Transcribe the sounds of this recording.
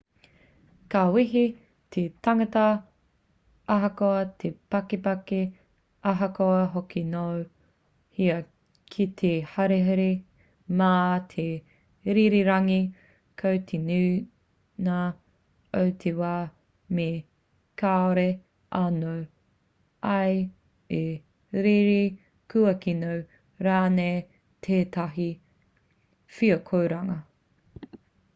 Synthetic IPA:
kawiɦi | tʰet̪ɐŋɐtɐ | ɐɦɐkoɐt̪ʰepɐkepɐke | ɐɦɐkoɐɦokinow | hiɐ | kʰit̪ʰehaɾeɦɐɾi | maːt̪ʰe | ɾiɾiɾɐŋi | kʰowt̪ʰenʉː | na | owtʰewaː | me | kʰaːoɾe | ʔanow | ɐj | e | ɾiɾi | kʰuɐkinow | ɾaːnej | tʰeːtɐɦi | fiɐkʰowɾɐŋɐ

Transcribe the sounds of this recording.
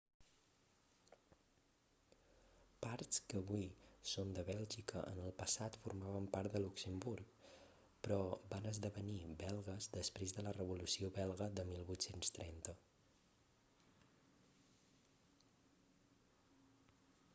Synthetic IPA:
paɾt̪skəːβuisond̪əβɛlˠʒikəʔə̰nəlˠpəsat̪fuɾmaβəmpaɾt̪d̪əluksəmbuɾk | pɾɔbanəzðəβənibɛlˠɣəzd̪əspɾezðələrəβulusioβɛlˠɣəðəmilˠβujt̪senst̪ɾɛnt̪ə

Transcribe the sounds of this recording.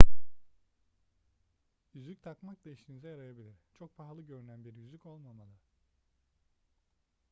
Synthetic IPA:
jyzlʲyc̚ʲt̪ʰakmaklˠaiʃinizɛjaɾajabilʲiɾ̥t͡ʃʰo̞k̚pʰaɦlˠɯɟø̞ɾynænbiɾjyzlʲyco̞lˠmamalˠa

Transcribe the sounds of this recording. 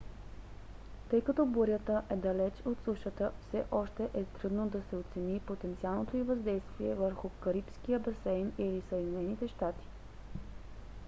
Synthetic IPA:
t̪ɤjkɐt̪ɔboɾʲət̪əʔɛd̪ɐlɛt͡ʃot̪suʃət̪əfsɛʔɔʃt̪ɛʔɛt̪ɾud̪nod̪ɐsɛot̪sɛnipot̪ɛnt̪sialˠnot̪oivɐzd̪ɛjst̪viɛ̰vəɾxʊkəɾipskijəbɛsɛjnilisəjd̪inɛnit̪ɛʃt̪at̪i̥

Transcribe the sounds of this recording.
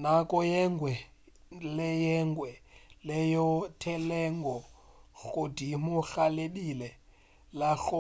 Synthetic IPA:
nakʼɔjɛŋɡwɛ | lɛjɛŋɡwɛlɛjɔtʰɛlɛŋɡɔɣodʱimuxaleɗilɛ | laɬɔ

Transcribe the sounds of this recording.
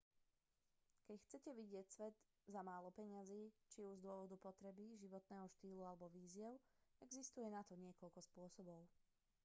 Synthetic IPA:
kɛcxt͡sɛcɛʋiɟɪɛcsʋɛd̪ | zamaːlɔpɛɲaziːt͡ʃiuzd̪ʊɔʋɔd̪upɔt̪ɾɛbiʒiʋɔt̪nɛːɦɔʃt̪iːlualɛbɔʋiːzɪɛʊɛɡzist̪ujɛnat̪ɔɲɪɛkɔʎkɔspʊɔsɔbɔʊ

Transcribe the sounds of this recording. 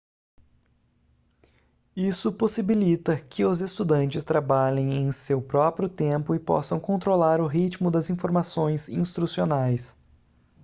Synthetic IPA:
isʊposibilit̪ɐkʰɪʊzest̪ud̪ɐ̃nt͡ʃɪst̪ɾabaʎẽj̃ẽj̃sewpɾɔpɾjʊt̪ẽpʊɪpɔ̰sɐ̃w̃kõnt̪ɾolaɾʊɦit͡ʃmʊd̪ɐzĩfoɾmasõj̃zĩst̪ɾusionajs

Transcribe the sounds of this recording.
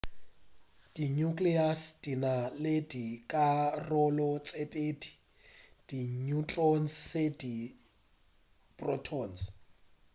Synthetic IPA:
d̥iɲukliasd̥inaledikʼarɔlɔt͡sʼepʼedi̥ | d̥iɲut͡ɬʼɔnsːedi | pʼrɔtʰɔns

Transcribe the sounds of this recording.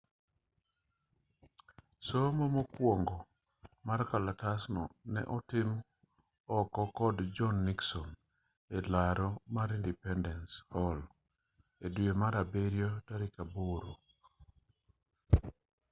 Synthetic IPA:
somɔmokwoŋɡɔ | maɾkalatasnɔ̰nɛ̰ʔɔtɪm | ɔkɔkɔdd͡ʒɔnːiksɔn | elaɾomaɾindipɛndɛnshɔl | edwemaɾabeɾjotaɾɪkaboɾo

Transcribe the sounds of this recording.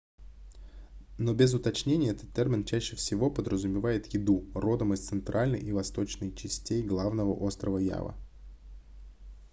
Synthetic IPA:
no̞bʲɪzʊt̪ɐt͡ɕnʲenʲɪjəɛt̪ə̥t̪ʲːermʲɪnt͡ɕæɕːɪfsʲɪvo̞pəd̪ɾəzʊmʲɪvajɪt̪jɪd̪uro̞d̪əməsʲt̪sɨnt̪ɾʔalʲnə̰jʔivɐst̪o̞t͡ɕnɨjt͡ɕɪsʲtʲejɡlˠavnəvəʔo̞st̪ɾəvəja̰və̰

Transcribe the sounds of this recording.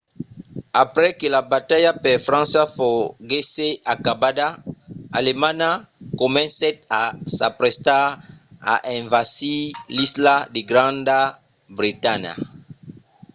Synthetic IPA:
apɾɛkelabatajapɛfɾãnsafoɡeseʔakabadaalemanakomɛ̃nsɛtasa̰pɾɛsta | a̰ʔɛ̃ɱvasilisladeɡɾãnda | bʁitana̰

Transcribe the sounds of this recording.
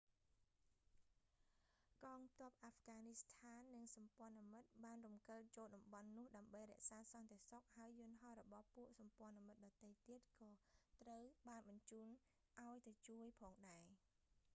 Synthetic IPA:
kɑːŋt̪ŏəp̚ʔafʰɡaːnist̪ʰaːnːɨŋsɑmpŏənimɨt̪̚ɓaːnrumkəːt̪̚t͡ɕoːlɗɑmɓɑnːʊ̆əhɗaəmɓəjrɛ̆əʔsaːsɑnt̪eəsok̚haəjːʊ̆ənɦɑhrɔɓɑhpuəʔsɑmpŏənimɨt̪̚ɗɑt̪ːejt̪iət̪̚kɑːt̪rəwɓaːnɓɑɲt͡ɕuːn | ʔaɔjt̪ət͡ɕuəjpʰɑːŋɗaɛ

